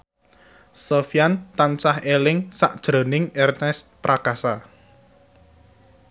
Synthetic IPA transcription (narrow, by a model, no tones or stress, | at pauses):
sofjant̪ant͡ʃahelɪŋsa̰ʔd̥ʒ̥ɾo̤nɪŋɛrnɛst̪̚pɾʔakasa